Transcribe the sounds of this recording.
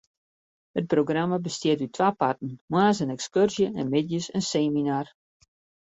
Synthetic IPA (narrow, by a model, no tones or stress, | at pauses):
hət̚proɡramabəstjɪətytʰʋaːpartn̩mwaːsənɛkskørzjəʔɛnmɪdjəsənseːminar